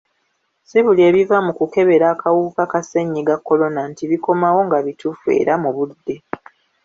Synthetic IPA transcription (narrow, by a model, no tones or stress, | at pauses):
siβulie̞ːβivamukuke̞βe̞ɾaːkawukakaseɲːiɡakːo̞lo̞nantiβiko̞mawo̞ŋɡaβitufue̞̰ːɾamuβudːe̞